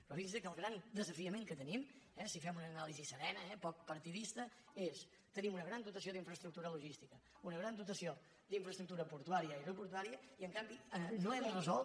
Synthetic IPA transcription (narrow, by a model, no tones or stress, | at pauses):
pɾɔfinzðəkəːlˠɣɾand̪əzəfiəmẽŋkət̪ənimɛsifɛmunəːnalizisəɾɛnəɛpɔk̚pəɾt̪iðist̪əes | t̪ənimunəɣɾand̪ut̪əsioðiɱfɾəst̪ɾuk̚t̪uɾəluʒist̪ikə | unəɣɾand̪ut̪əsio | d̪iɱfɾəst̪ɾuk̚t̪uɾəpuɾt̪uaɾiəirəpuɾt̪uaɾiəiəŋkambiənoɛðərəzɔl